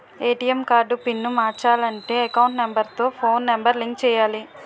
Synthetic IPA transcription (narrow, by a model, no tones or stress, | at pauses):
eːʈijemkaːɾɖupinːumaːɾt͡ʃaːlɐɳʈeːɐkɐwɳʈnembɐɾt̪o̞ːpʰo̞ːnːembɐɾliŋkt͡ʃɛːjaːli